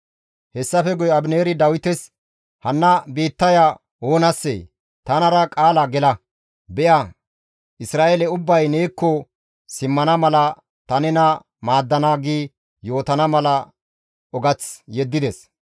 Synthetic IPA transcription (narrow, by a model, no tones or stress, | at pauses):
hɛsːɐfɛɡʊjɐbneːɾɪd̪ɐwɪt̪ɛs | hɐnːɐbiːt̪ːɐja | oːnɐsːḛ | t̪ɐnɐɾɐkʼaːlɐɡɛlɐ | bɛʔa | ʔɪsɾaːʔelɛʊbːɐjneːkːɔ | sɪmːɐnɐmɐlɐ | t̪ɐnɛnɐ | maːd̪ːɐnaːɡiː | jo̞ːt̪ɐnɐmɐlɐ | ɔɡɐt͡sjɛd̪ːɪd̪ɛs